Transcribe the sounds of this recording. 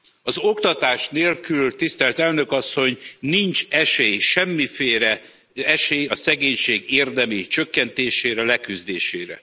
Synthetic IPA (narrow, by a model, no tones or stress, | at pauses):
ɒzokt̪ɒt̪aːʃneːlkylt̪ist̪ɛlt̪ɛlnø̞kɒsːo̞ɲnint͡ʃɛʃeːjʃɛmːifeːɾɛ | ɛʃeːjɒsɛɡeːɲʃeːɡeːrd̪ɛmit͡ʃø̞kːɛnt̪eːʃeːɾɛlɛkyzd̪eːʃeːɾɛ̰